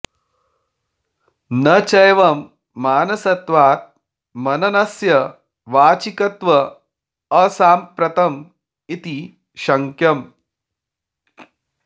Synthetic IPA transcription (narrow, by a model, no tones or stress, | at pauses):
nɐt͡ʃɐjʋɐmː | aːnɐsɐt̪ʋaːt̪̚ | mɐnɐnɐsjɐ | ʋaːt͡ʃikɐt̪ʋɐː | saːmpɾɐt̪ɐm | it̪i | ʃɐŋkʰjɐm